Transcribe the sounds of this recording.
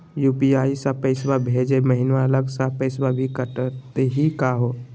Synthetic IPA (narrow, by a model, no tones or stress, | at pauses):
juːpiaːisãpəɪsbabʱeːd͡ʒeməɦɪnʋaələɡsapəɪsbabʱikəʈt̪eɦikaɦo